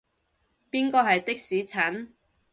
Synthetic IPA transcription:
piː˥nkɔː˧ɦɐ˨jt̪ɪ˥k̚siː˨˥t͡sʰɐ˨˥n

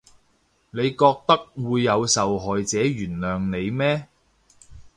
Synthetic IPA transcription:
ne˨˧jkɔː˧k̚t̪ɐ˥k̚wuː˨˧jːɐ˨˧wsɐ˨wɦɔː˨jt͡sɛː˨˥ɥyː˨˩nlœː˨ŋne˨˧jmɛː˥

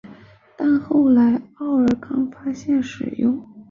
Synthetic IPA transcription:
t̪a˥˧nxo˥˩ʊla˧˥ɪɑ˥˩ʊə˞˨˩kʰɑ˥ŋfa˥ɕjɛ˥˩nʂɻ̩˨˩jʊ˥˧ŋ

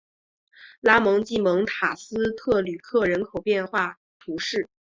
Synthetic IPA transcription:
la˥mɤ˧˥ŋt͡ɕi˥˩mɤ˧˥ŋt̪ʰa˨˩sɹ̩˥t̪ʰɤ˥˩ly˨˩kʰɤ˥˩ɻə˧˥nkʰo˨˩ʊpjɛ˥˧nxwa˥˩ | t̪ʰu˧˥ʂɻ̩˥˩

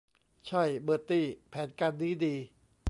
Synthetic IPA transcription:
t͡ɕʰa˥˩jbɤː˨˩t̪ːiː˧˩pʰɛː˩˦nkaː˧nːiː˦˥diː˧

